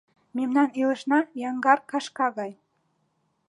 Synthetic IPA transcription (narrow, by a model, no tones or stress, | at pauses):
memnɑnelə̆ʃnɑjɑŋɡɑrkɑʃkɑɣɑj